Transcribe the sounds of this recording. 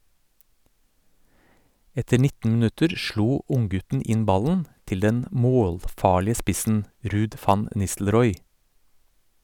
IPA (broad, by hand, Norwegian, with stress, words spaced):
ˈɛtəɾ ˈnɪtn̩ mn̩ˈʉtəɾ ˈʃɭuː ˈʔʊŋˌɡʉtn̩ ˈɪn ˈbɑlən ˈtɪl ˈdɛn ˈmoːlˌfɑːɭɪə ˈspɪsn̩ ˈɾʉːd ˈfɑn ə ˈnɪstl̩ˌɾɔʏ